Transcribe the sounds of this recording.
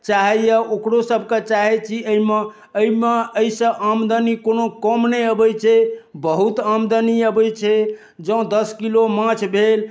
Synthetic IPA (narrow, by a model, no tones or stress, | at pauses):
t͡ʃaɦɛjəokɾosəbʱket͡ʃaɦɛt͡ʃʰiəime | əimeəisə̃ʔamd̪ənikonokəmnɛəbət͡ʃʰɛbəɦut̪amd̪əniəbəjt͡ʃʰɛ | d͡ʒəũd̪əskilomãt͡ʃʰbʱel